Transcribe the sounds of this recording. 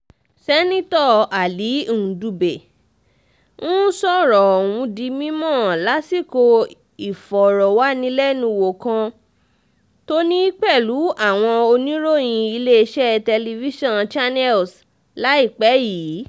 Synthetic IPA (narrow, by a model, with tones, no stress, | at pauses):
sɛ˦nĩ˦tɔ˦˨a˨li˨˦˨ũ˨du˧be˨ | ñ̩˦sɔ˦˨ɾɔ˨wũ˧di˨˦mĩ˦mɔ̃ː˦˨la˨˦si˦˨ko˧ | i˨fɔ˨ɾɔ˨wa˨˦nĩ˧lɛ˦nũ˧wo˨kã˧ | to˦nĩ˦i˦k͡pɛ˦˨lu˨˦a˦˨w̃ɔ̃˧o˧nĩ˦ɾo˦˨j̃ĩ˧i˧le˦˧ʃɛ˦˧tɛ˧li˧vi˦ʃɔ̃˦nt͡ʃa˦nɛ˦ls | la˨˦i˦˨k͡pɛ˨˦jiː˨˦